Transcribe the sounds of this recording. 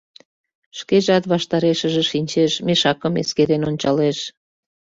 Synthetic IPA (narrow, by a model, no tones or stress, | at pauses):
ʃkeʒɑt̪βɑʃt̪ɑɾeʃəʒĕʃinʲt͡ɕeʃmeʃɑkəmḛskeɾenonʲt͡ɕɑleʃ